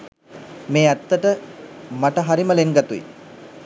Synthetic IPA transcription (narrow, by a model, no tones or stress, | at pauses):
meːæt̪ːəʈəmaʈəɦaɾiməleŋɡat̪uḭ